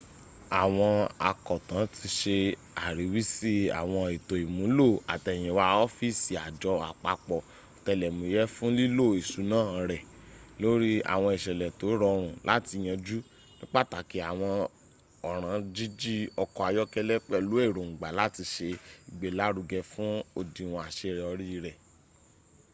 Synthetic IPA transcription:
a˨w̃ɔ̃˧a̰˨kɔ˨tã˨˦ti˧ʃe˧ | a˨ɾi˨˦wi˦si˦a̰˨w̃ɔ̃˧i˨to˨i˨mũ˨˦lo˦˨a̰˨tɛ˨j̃ɛ̃˨wa˦ɔ˦fi˦˨si˨a˨d͡ʒɔ˧a̰˨k͡pa˧k͡pɔ˨ | tɛ˧˨lɛ˨mũ˨˦jɛ˦fũ˦li˦lo˦˨e˨su˨˦nãː˦˨˧ɾɛ˨lo˦ɾi˦a̰˨w̃ɔ̃˧i˨ʃɛ˨lɛ˨to˨˦ɾɔ˧ɾ̃ũ˨lʔa̰˦ti˧j̃ã˧d͡ʒu˦ | nĩ˦k͡pa˦˨ta˨ki˨˦a˨w̃ɔ̃˧ | ɔ˨ɾ̃ã˨˦d͡ʒi˦d͡ʒi˦ɔ˧kɔ˧a˧jɔ˦kɛ˧lɛ˦k͡pɛ˦lu˨˦e˦˨ɾõ˨ŋ͡m̩˨ɡ͡ba˨la˦ti˧ʃe˧i˨ɡ͡be˨la˨˦ɾu˧ɡɛ˧fũ˦o˧di˨w̃ɔ̃˨a˨ʃe˧ɾɛ˨ɔ˧ɾi˦˧ɾɛ˨

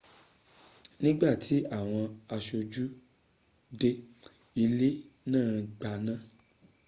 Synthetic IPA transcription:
nĩ˦ɡ͡ba˦˨tʰi˨˦a˦˨w̃ɔ̃˧a˧ʃo˧d͡ʒu˦ | de˧ | i˧le˦nãː˦˨ɡ͡ba˧˨nã˦

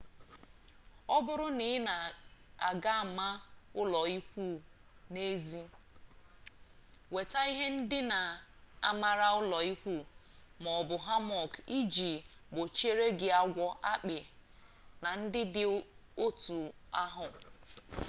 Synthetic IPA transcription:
ɔ˦bʊ˦ɾʊ˦nɪ˨˦na˨a˨ɡa˦˨ma˦ʊ˦lɔ˨i˦kʷu˦˨ne˦zi˦ | we˨ta˦i˦ɦe˦n̩˦dɪ˦na˨a̰˦ma˦ɾa˦ʊ˦lɔ˨i˦kʷu˦˨ | mɔ˨bʊ˨ɦa˦mɔ˨ki˦d͡ʒi˨ɡ͡bo˨t͡ʃe˦ɾe˦ɡɪ˨a˦ɡʷɔ˦ʔa˦k͡pɪ˨ | na˨n̩˦dɪ˦dɪ˦o˦tu˨a˦ɦʊ˨

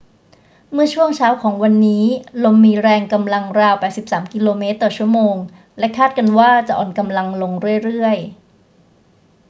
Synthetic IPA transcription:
mɯ˥˩ɐt͡ɕʰu˥˩əŋt͡ɕʰaː˦˥wkʰɔː˩˦ŋwa˧nːiː˦˥lo˧mːiː˧ɾɛː˧ŋka˧mla˧ŋɾaː˧wpɛː˨˩si˨˩psaː˩˦mki˧loː˧meː˦˥t̪ːɔː˨˩t͡ɕʰu˥˩əmoː˧ŋ | lɛ˦˥kʰaː˥˩t̪̚ka˧nwaː˥˩t͡ɕa˨˩ʔɔ̰ː˨˩nka˧mla˧ŋlo˧ŋɾɯ˥˩əjɾɯ˥˩əj

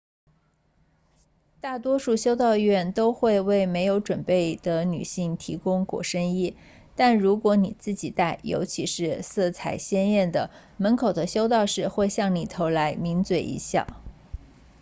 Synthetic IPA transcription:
t̪a˥˩t̪wɔ˥ʂu˥˩ɕjo˥ʊt̪ɑ˥˧ʊɥɛ˥˩nt̪o˥ʊxwe˥˧ɪwe˥˩ɪme˧˥ɪjo˧˥ʊʈ͡ʂwə˨˩npe˥˩ɪd̪̥ə˩ny̰˨˩ɕi˥˩ŋt̪ʰi˧˥kʊ˥ŋkwɔ̰˨˩ʂə˥ŋi˥˩ | t̪a˥˩nɻu˧˥kwɔ˧˥ni˨˩t͡sɹ̩˥˩t͡ɕi˨˩t̪a˥˩ɪjo̰˧˥ʊt͡ɕʰi˧˥ʂɻ̩˥˧sɤ˥˩t͡sʰa˨˩ɪɕjɛ˥njɛ˥˩nd̪ə˩ | mə˧˥nkʰo˨˩ʊd̪ə˦ɕjo˥ʊt̪̬ɑ˥˧ʊʂɻ̩˥˧xwe˥˧ɪɕjɑ˥˩ŋli˨˩t̪ʰo˧˥ʊla˧˥ɪmi˧˥nt͡swe˨˩ɪʔḭ˧˥ɕjɑ̰˥˩

